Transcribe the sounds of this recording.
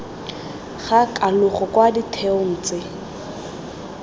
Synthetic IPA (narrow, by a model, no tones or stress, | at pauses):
χakʼalʊχɔkwaditʰɛʊn̩ːt͡sʼɪ